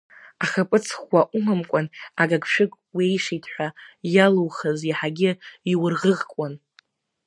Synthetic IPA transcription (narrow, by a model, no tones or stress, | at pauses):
aχapʼɨt͡sʰχwaʔumamkʷʼanaɡaɡʷʼʃᶣɨkʼwejʂitʰħʷajaluwχaziħaɡʲɪiwʊrʁəʁkʷʼan